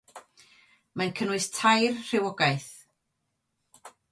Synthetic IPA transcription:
mankʰənwɨstʰajrr̥ɪwɔɡajθ

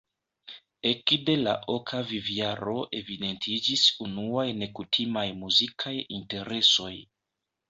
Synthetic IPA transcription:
e̞kde̞la̰ʔokʰaviviaɾo̞ʔe̞vide̞ntʰid͡ʒisunuajne̞kutʰimajmuzikʰajḭnte̞ɾe̞so̞j

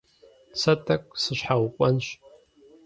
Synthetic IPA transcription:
t͡sʰatʼakʷʼsɨʃħawkʷʼanʃʷ

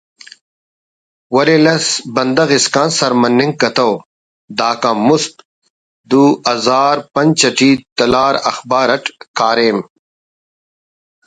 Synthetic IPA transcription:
wɐɾelɐsbɐnd̪ɐɣiskãːnsɐɾmɐnːĩŋɡ̚kɐt̪ɐw | d̪aːkãːmusk | d̪uːɐzaːɾpɐnt͡ɕɐʈiːt̪ɐlaːɾɐ̰xbaːɾɐʈkaːɾeːm

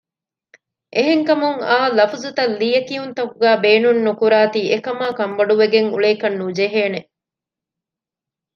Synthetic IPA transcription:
ʔeɦeŋkɐmuŋaːlɐfuzut̪ɐlːiːɐkiunt̪ɐkuɡæːbeːnunːukuɾaːt̪iːʔekɐmaːkɐmbɐɖuʋeɡeŋṵɭeːkɐnːud͡ʒeɦeːne

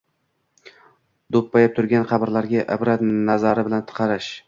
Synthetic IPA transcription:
d̪opːajɪp̚t̪ʰʊɾɡʲanqʰɑbɪɾlaɾɡʲaʔɪbɾat̪nazaɾɪbɪlant̪ʰɨ̥qʰɑɾɪʃ

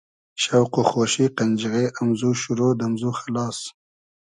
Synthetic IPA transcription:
ʃawqoxoːʃiqand͡ʒiɣeʔamzuʃʊɾod̪amzuxalɑːs

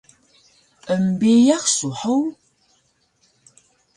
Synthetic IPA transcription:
əmbijaχsuħəw

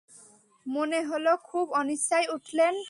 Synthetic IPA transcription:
moneɦolokʰubɔnisajuʈʰlen

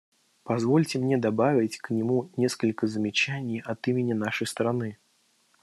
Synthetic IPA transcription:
pazvɔlʲt͡sʲɪmnʲɛd̪abavʲɪt͡sʲknʲimunʲɛskəlʲkɐzəmʲɪt͡ʃanʲːijɐt̪imʲɪnʲːɐnaʂɐjst̪ɾanɨ

